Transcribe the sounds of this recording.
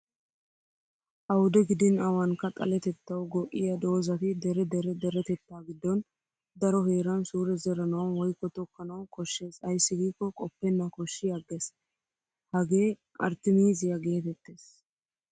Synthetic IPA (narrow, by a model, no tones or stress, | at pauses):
ʔɐwʊd̪ɛɡɪd̪ɪnɐwɐŋkɐt̪ʼɐ̰lɛt̪ɛt̪ːɐwɡɔʔɪjɐd̪o̞ːzɐt̪ɪd̪ɛɾɛd̪ɛɾɛd̪ɛɾɛt̪ɛt̪ːaːɡɪd̪ːɔn | d̪ɐɾɔɦe̞ːɾɐnsuːɾɛzɛɾɐnɐwɐnwɔjkːɔt̪ɔkːɐnɐwkʼɔʃːe̞ːsɐjsːɪɡiːkːɔkʼɔpːɛnːɐkɔʃːɪjɐɡːes | hɐɡe̞ː | ɐ̰ɾt̪ːɪmiːzɪjɐɡe̞ːt̪ɛt̪ːe̞ːs